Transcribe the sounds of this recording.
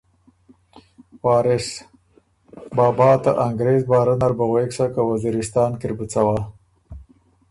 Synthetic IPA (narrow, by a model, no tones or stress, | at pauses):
wɑːɾɪs | bɑːbɑːt̪aʔaŋɡɾezbɑːɾanaɾbaɣweksakawaziɾɪst̪ɑːnkɪɾbut͡sawa